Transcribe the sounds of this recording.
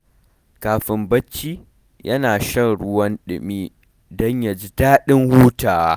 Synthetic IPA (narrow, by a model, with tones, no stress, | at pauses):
kaː˨ɸɪ˨mbɐ˦t͡ʃːiː˦ | jʔɐ˦naː˨ʃɐ˦ŋɽʊ˦wɐ˦nɗɪ̰˨miː˦ | dɔ˦ɲja˨d͡ʒi˦daː˦ɗɪ˦ŋhuː˦taː˨wa˦